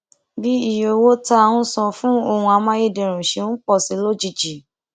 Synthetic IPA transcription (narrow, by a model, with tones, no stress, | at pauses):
bi˦i˦˨jo˨wo˦ta˦˧wũ˧sɔ̃˧fũ˦o˧hũ˧a˧mã˦je˦˨de˨ɾ̃ũ˨ʃẽ˧˦k͡pɔ˦˨si˨˦lo˦d͡ʒi˦˨d͡ʒi˨